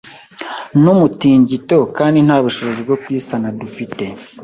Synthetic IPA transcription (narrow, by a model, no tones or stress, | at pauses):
numutiːɲɟito̞kaːndin̥haːβuʃo̞βozib̚ɡokwiːsanadufite̞